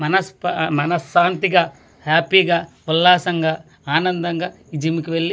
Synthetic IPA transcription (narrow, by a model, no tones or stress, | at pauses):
mɐnɐspmɐnɐsːaːnt̪iɡaː | haːpiːɡaː | ulːaːsɐŋɡaː | aːnɐnd̪ɐŋɡaː | id͡ʒimikiʋeɭːi